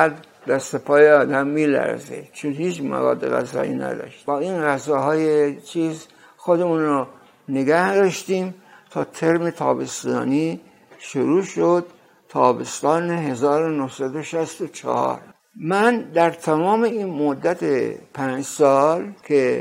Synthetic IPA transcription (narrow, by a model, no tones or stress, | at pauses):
æd̪ | d̪æst̪epʰɒːjeɒːd̪æmːiːlæ̰ɾzḛt͡ʃʰonhiːt͡ʃmæ̰vɒ̰ːd̪ːeɣæ̰zɒ̰ːḭːnæ̰d̪ɒ̰ːʃt̪bɒːinɣæzɒːɦɒːjet͡ʃʰiːz | xod̪emuːnɾɑ | neɡæhd̪ɒːʃt̪iːm | t̪ʰɒːt̪ʰe̞ɾme̞t̪ʰɒ̰ːbe̞st̪ɒ̰ːni | ʃoɾuːʃod̪̥̚ | t̪ʰɒːbe̞st̪ɒːneɦe̞zɒːɾonohsæd̪oʃæst̪ot͡ʃʰɑ̰hɒ̰ːɾ | mænd̪æɾt̪ʰæmɒːmeiːnmod̪ːæt̪ʰḛpʰæɲd͡ʒsɒːlkʲʰe